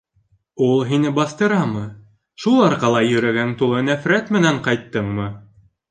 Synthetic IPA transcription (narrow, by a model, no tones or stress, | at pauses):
ulˠɦinɘbɑst̪ɤ̆ɾɑmɤ | ʃulˠɑɾqɑlˠɑjɵ̆ɾæɡænt̪ulˠɤnæfɾæt̪mɘ̆næɴqɑjt̪ːɤɴmɤ